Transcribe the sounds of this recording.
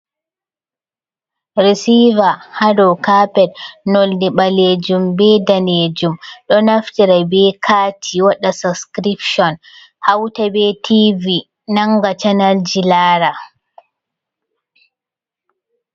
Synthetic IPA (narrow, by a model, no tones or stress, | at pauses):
ɾisivahadɔkapɛdnoldiɓaled͡ʒumbɛdaned͡ʒumɗɔnaftiɾabɛkʰaːtʰiwaɗasaskɾipʃɔn | hawtabɛtʰivi | naŋɡat͡ʃanald͡ʒilaːɾa